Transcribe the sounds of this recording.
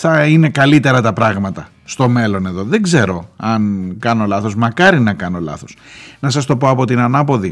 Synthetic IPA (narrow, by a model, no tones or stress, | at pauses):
θɐine̞kɐlit̪e̞ɾɐt̪ɐpɾɐɣmɐt̪ɐ | st̪o̞me̞lo̞ne̞ðo̞ðeɡze̞ɾo̞ɐnkɐno̞lɐθo̞zmɐkɐɾinɐkɐno̞lɐ̰θo̞snɐsɐst̪o̞poɐpo̞t̪inɐnɐpo̞ði